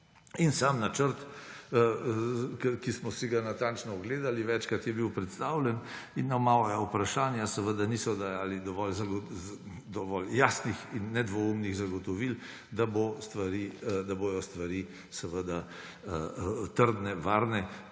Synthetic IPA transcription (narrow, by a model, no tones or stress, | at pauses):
insamnat͡ʃəɾt̪ | kkismɔsiɡanat̪ant͡ʃnɔːɡleːd̪aliʋɛt͡ʃkat̪jɛbiwpɾɛt̪st̪aːwlɛninːamaːʋajaupɾaʃaːnjasəʋəd̪anisɔd̪ajaːlid̪ɔʋɔlzaɡ | d̪ɔʋɔljasnixinːɛd̪ʋɔumniɣzaɡɔt̪ɔʋil | d̪abost̪ʋaɾiːd̪aboj̪ɔst̪ʋaɾiː | sɛʋəd̪a | ət̪əɾd̪nɛʋaːɾnɛ